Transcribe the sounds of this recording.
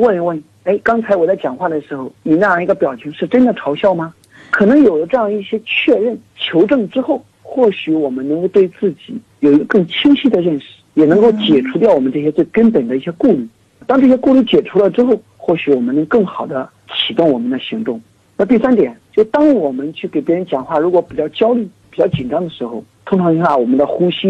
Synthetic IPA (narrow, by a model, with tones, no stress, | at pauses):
wə˥˩˧wə˥˩n | e˥ɪkɑ˥ŋt͡sʰa˧˥ɪwɔ˨˩t͡sa˥˩ɪt͡ɕjɑ˨˩ŋxwa˥˩d̪ə˩ʂɻ̩˧˥xo˥˧˩ʊni˨˩na˥˧jɑ˥˧ŋi˧˥ɡə˧pjɑ˨˩ʊt͡ɕʰɛ˧˥ŋʂɻ̩˥˩ʈ͡ʂə˥nd̪ə˨ʈ͡ʂʰɑ˧˥ʊɕjɑ˥˧ʊmɐ˩ | kʰɤ˨˩nɤ˧˥ŋjo˨˩d̪ə˦ʈ͡ʂɤ˥˧jɑ˥˧ŋi˥˩ɕjɛ˥t͡ɕʰɥɛ˥˧ɻə˥˩n | t͡ɕʰjo˧˥ʊʈ͡ʂɤ˥˩ŋʈ͡ʂɻ̩˥xo˥˩ʊ | xwɔ˥˩ɕy˧˥wɔ˨˩mə˦nɤ˧˥ŋko˥˧ʊt̪we˥˧ɪt͡sɹ̩˥˩t͡ɕi˨˩˦jo˨˩ʊi˧˥ɡə˧kɤ˥˩ŋt͡ɕʰi˥ŋɕi˥d̪ə˨ɻə˥˧nʂɻ̩˥˩jɛ˨˩nɤ˧˥ŋko˥˩ʊt͡ɕjɛ˨˩ʈ͡ʂʰu˧˥t̪jɑ˥˩ʊwɔ˨˩mə˦nʈ͡ʂɤ˥˩ɕjɛ˥t͡swe˥˩ɪkə˥npə˨˩nd̪ə˦i˥˩ɕjɛ˥ku˥˧ly˥˩ | t̪ɑ˥ŋʈ͡ʂɤ˥˩ɕ̬jɛ˥ku˥˧ly˥˩t͡ɕjɛ˨˩ʈ͡ʂʰu˥lə˧ʈ͡ʂɻ̩˥xo˥˧ʊ | xwɔ˥˩ɕy˧˥wɔ˨˩mə˦nɤ˧˥ŋ˥kɤ˥˩ŋxɑ˨˩ʊd̪ə˦ | t͡ɕʰi˨˩t̪ʊ˥˩ŋwɔ˨˩mə˦nd̪ə˧ɕi˧˥ŋt̪ʊ˥˩ŋ | na˥˧t̪i˥˩sa˥nt̪̬jɛ˨˩˦nt͡ɕjʊʂt̪ɑ˥ŋwɔ˨˩mə˦nt͡ɕʰy˥˩ke˨˩ɪpjɛ˧˥ɻə˧˥nt͡ɕjɑ˨˩ŋxwa˥˩ɻu˧˥kwɔ˧˥pi˨˩t͡ɕjɑ˥˩ʊt͡ɕjɑ˥ʊly˥˩pi˨˩t͡ɕjɑ˥˩ʊt͡ɕi˨˩nʈ͡ʂɑ˥ŋd̪ə˨ʂɻ̩˧˥xo˧ʊt̪ʰʊ˥ŋʈ͡ʂʰɑ˧˥ŋt͡ɕa˥˩wɔ˨˩mə˦nd̪ə˧xu˥ɕi˥